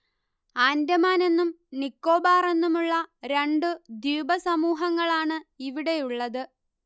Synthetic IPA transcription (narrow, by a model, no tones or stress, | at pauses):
aːndɐmaːne̞nːum | nikːo̞ːbaːre̞nːumuɭːɐɾe̞ɳɖɨd̪juːbɐsɐmuːɦɐŋːɐɭaːɳɨiʋiɽe̞juɭːɐðɨ